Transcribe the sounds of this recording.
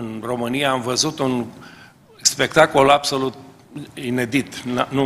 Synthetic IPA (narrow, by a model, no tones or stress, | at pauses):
ɨnro̞mɨnijaːmvəzut̪un | spe̞kt̪ako̞labso̞lut̪̚ | ine̞d̪it̪nnu